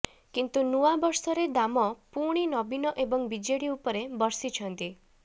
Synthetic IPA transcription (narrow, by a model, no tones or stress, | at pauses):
kint̪unuabɔɾsɔɾed̪amɔpuɽ̃inɔbinɔʔebɔŋbid͡ʒeɽiupɔɾebɔɾsit͡ʃʰɔnt̪i